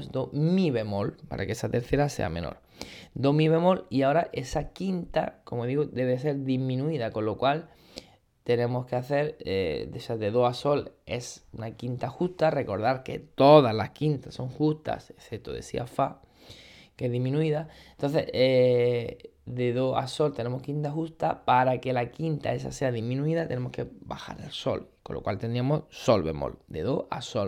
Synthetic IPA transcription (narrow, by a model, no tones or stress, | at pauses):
d̪omiβe̞mo̞lpa̰ɾʔa̰keesat̪e̞ɾθe̞ɾase̞̰a̰mẽ̞̰no̰ɾ | d̪omiβe̞mo̞liao̞ɾaʔe̞sakint̪a̰ko̞mo̞ðiɣod̪e̞βese̞ɾðimĩnuiðako̞lːo̞kwal | t̪e̞nẽ̞mo̞skeaθe̞ɾḛd̪esazðe̞ðoaso̞le̞sunakint̪axust̪are̞ko̞ɾðaɾke̞̰t̪o̞ðazlaskint̪aso̞ŋxust̪a̰seθep̚t̪o̰ðe̞̰sḭa̰fa | kezðimĩnuiðant̪o̞nθe̞̰e | ðe̞ðoa̰so̞lt̪e̞nẽ̞mo̞hkint̪axust̪apaɾake̞lakint̪a̰e̞sa̰seaðimĩnũiðat̪e̞ne̞mo̞ske̞baxa̰ɾelso̞̰lkolo̰kwa̰lt̪e̞nd̪ɾiamo̞sso̞lβe̞̰mo̰ld̪e̞̰ðoa̰sol